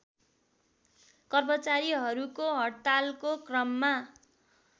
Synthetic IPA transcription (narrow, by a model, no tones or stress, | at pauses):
kʌrmʌt͡saɾiɦʌɾukoɦʌɽt̪alkokrʌmːa